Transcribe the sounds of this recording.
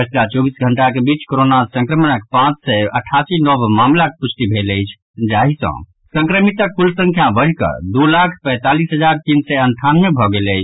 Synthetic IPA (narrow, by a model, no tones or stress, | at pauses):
kət͡ʃɾat͡ʃɔbisɡʱəɳʈakebit͡ʃkoɾonasə̃ŋkɾəmənək̚pãt͡ʃsɛə̰ʈʰasinɔbmamlakeput͡ʃʰt̪ibʱeləjt͡ʃʰ | d͡ʒaɦisə̰̃ | sə̃ŋkɾəmit̪əkpulsə̃ŋkʰjabəɦkə̰d̪ulakʰpɛ̃ɪt̪alisɦəd͡ʒaɾt̪insɛənt̪ʰanmebʱɔɡeləjt͡ʃʰ